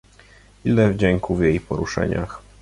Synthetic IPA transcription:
ilɛvd͡ʑɛŋkuvjejpɔɾuʂɛ̰ɲa̰x

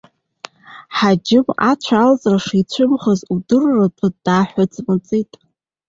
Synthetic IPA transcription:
ħad͡ʒɪmat͡ɕʷʰaalt͡sʼraʂit͡ɕʷʰʊmχəzudɨrratʰʼadaːħʷʊt͡sʼmɨt͡sʼitʼ

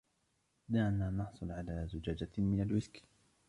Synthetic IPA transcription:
naʕnaːnɑħsˤʊlʕalaːzʊd͡ʒaːd͡ʒamɪnalwɪskː

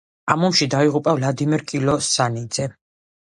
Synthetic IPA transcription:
amɔmʃid̪aiʁupʼavlad̪imɛɾkʼilɔsanid̪z̥ɛ

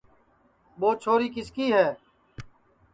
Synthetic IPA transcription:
ɓoːt͡ʃʰoːɾiːkɪskiːɦɛː

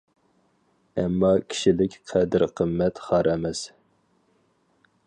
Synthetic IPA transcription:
ɛmːɑkʲʰi̥ʃilɪkʲqʰɛd̪ɪɾqʰəmːɛt̪χɑɾɛmɛs

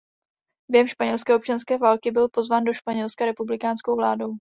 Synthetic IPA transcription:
b̥jɛɦɛmʃpaɲɛlskɛːop̚t͡ʃanskɛːvaːlkɪbɪlpo̞zvaːndo̞ʃpaɲɛlskaɾɛpublɪkaːnskowvlaːdo̞w

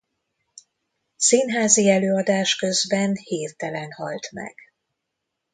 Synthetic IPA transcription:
sinɦaːziɛløːɒd̪aːʃkø̞zbɛnheːrt̪ɛlɛnhɒ̰lt̪mɛ̰ɡ̥

